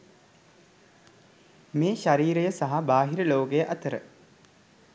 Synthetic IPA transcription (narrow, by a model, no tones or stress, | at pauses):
meːʃaɾiːɾejəsaɦabaːɦiɾəloːkejəʔat̪əɾə